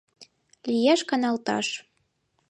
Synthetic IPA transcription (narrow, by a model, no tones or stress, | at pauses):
lijæʃkɑnɑlt̪ɑ̰ʃ